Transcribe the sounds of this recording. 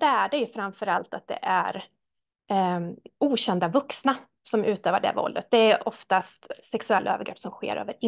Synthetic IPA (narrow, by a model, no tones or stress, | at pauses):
d̪̥ɛæɖɛjɵfɾamfœɾalt̪at̪̚d̪ɛ̰ʔæɾ | ʔuːɕɛnd̪avɵksna | sɔmʔʉ̟ːt̪øːvəɖɛ̰vɔ̰ld̪ət̪̚d̪ɛæɾʔɔft̪ast̪sɛksɵɛlːaø̰ːvəɾɡɾɛːpːsɔmɧḛːɾʔø̰ːvəɾɪ